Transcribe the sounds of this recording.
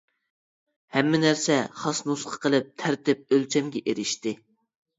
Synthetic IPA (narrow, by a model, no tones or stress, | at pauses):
hɛmːɪnæɾsɛχɑsnusqʰɑ̥qʰəlˠɨp̚t̪ʰæɾt̪ɪp̚ølt͡ʃʰɛmɡʲɛʔeɾɪʃt̪ɪ